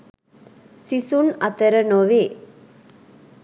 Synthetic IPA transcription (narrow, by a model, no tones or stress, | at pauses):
sisunɐt̪ɐɾɐnoʋeː